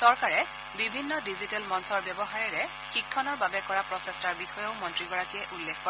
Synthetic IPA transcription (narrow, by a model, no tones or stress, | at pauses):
sɔɹkaɹɛ | bibʱinːɔdizitɛlmɔnsɔɹbjɔbɔɦaɹɛɹɛ | xikʰːɔnɔɹbabɛkɔɹapɹɔsestaɹbixɔjɔʊmɔntɹiɡɔɹakiɛʔulːekpɔ